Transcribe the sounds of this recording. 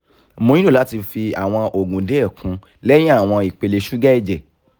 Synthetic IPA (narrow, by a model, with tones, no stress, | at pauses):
mõ˨˧˦ĩ˦õ˦˨la˨˦ti˧fi˧a˨w̃ɔ̃˧ʔo˨ɡũ˨de˨˦ɛ˦˨kũ˨˦ | lɛ˦j̃ĩ˦a˦˨w̃ɔ̃˧i˨k͡pe˨˧le˧ʃu˦ɡɛ˦i˦˨d͡ʒɛ˨